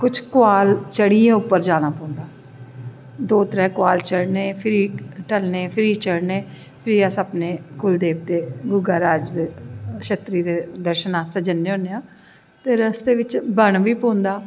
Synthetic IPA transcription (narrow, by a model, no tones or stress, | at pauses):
kʊt͡ʃʰkʊaːlt͡ʃəɽiːẽːʊpːəɾd͡ʒaːnaːpõːnd̪aː | d̪oːt̪ɾɛːkʊaːlt͡ʃəɽneːpʰɪɾiːʈəlneːpʰɪɾiːt͡ʃəɽnẽː | pʰɪɾiːəsəpneːkʊld̪eːb̚t̪eːɡʊɡaːɾaːd͡ʒd̪eʃət̪ɾiːd̪eːd̪əɾʃənaːst̪eːd͡ʒənːeːõːnejãː | t̪eːɾəsd̪eːʋɪt͡ʃbəɳʋiːpõːnd̪aː